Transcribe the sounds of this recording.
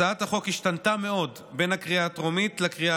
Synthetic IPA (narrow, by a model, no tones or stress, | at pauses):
aat̪haχo̞khiʃtantame̞o̞d | be̞nhakʁiatʁomit̪lekʁia